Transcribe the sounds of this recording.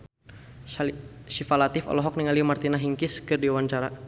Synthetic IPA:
ʃifalat̪ɪfɔ̰lɔɦɔk̚niŋalimart̪inaɦiŋkɪskɨrdiwaɲt͡ʃaɾa

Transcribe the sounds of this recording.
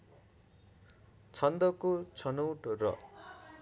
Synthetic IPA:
t͡sʰʌnd̪ʌkot͡sʰʌnʌwʈrʌ̰

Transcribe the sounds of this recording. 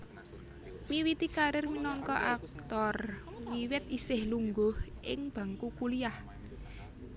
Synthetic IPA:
miwit̪ikaɾɪrminɔŋkɔʔak̚t̪ɔr | wiwɪt̪̚isɪhluŋɡʊhʔɪ̰ŋb̥a̤ŋkukuliah

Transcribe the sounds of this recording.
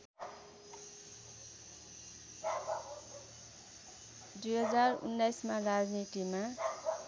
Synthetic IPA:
d̪ujɦʌd͡zarṵnːajsmarad͡znit̪ima

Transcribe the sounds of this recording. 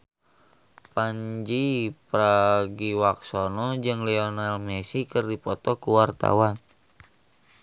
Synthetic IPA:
paɲd͡ʒipɾaɡiwaksonɔd͡ʒɨŋlɛɔnalmɛsikɨrdipɔt̪ɔkuwart̪a̰wan

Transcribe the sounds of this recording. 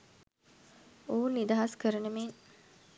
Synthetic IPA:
oːunːid̪aɦɐskəɾɐnemeːn

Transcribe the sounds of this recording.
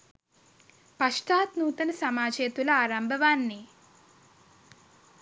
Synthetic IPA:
pɐʂʈaːt̪nuːt̪ɐnɐsɐmaːd͡ʒeːt̪ulɐaːɾɐmbʱɐʋaːnːi

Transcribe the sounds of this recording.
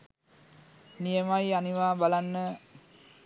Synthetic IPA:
nijəmajaniʋaːbalanːə

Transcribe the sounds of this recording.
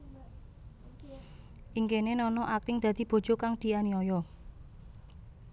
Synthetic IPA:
ʔiŋkenenɔnɔʔak̚t̪ɪŋd̪̥ä̤d̪̥i̤b̥o̤̥d͡ʒ̥o̤kaŋd̪̥i̤aniɔjɔ

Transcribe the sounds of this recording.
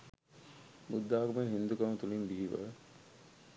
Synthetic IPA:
bud̪ːaːkumənɦind̪ukɐmət̪ulimbiɦiʋə̰

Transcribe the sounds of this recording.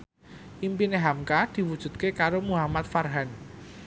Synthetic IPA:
ʔimpineɦamkad̪̥i̤wud̥ʒ̥ṳt̪̚kekaɾomuɦamat̪̚farɦan

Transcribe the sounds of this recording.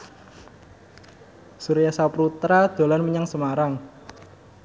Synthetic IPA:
suɾijasapɾut̪ɾad̪̥o̤lanməɲaŋsəmaɾaŋ

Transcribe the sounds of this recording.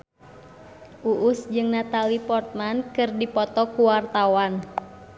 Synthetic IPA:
ʔuʔʊsd͡ʒɨŋnat̪alipɔrt̪̚mankɨrdipɔt̪ɔkuwart̪awan

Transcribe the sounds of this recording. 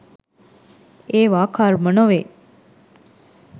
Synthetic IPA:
eːʋaːkʰaːɾmənoʋeː

